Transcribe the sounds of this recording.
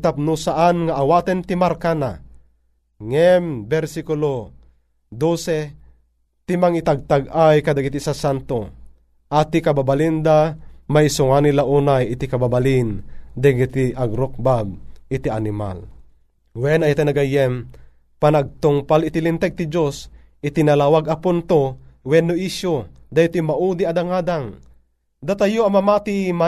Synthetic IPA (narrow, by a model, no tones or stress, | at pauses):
t̪ap̚nusaʔanŋaʔːwat̪ɛnt̪imarkana | ŋɛmbɛɾsikulo | d̪osɛ | t̪imaŋit̪aɡ̚t̪aɡajkad̪aɡit̪isasant̪o | ʔat̪ikababalind̪amaisuŋanilaʔuːnajit̪ikababalind̪aɡit̪iaɡɾok̚bab̚ɪt̪ianɪma̰l | wɛnajat̪anaɡajɛm | panaɡ̚t̪ʊŋpalɪt̪ilint̪ɛɡ̚t̪id͡ʒos | ʔɪt̪inalawaɡapunt̪owɛnːoʔiʃo | d̪ajt̪imaʔud̪iad̪aŋaːd̪aŋ | d̪at̪ajoamamat̪ima